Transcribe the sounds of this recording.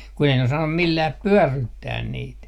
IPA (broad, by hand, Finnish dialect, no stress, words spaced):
ku ei ne osɑnːum milːæːp pyørːytːæːn niːt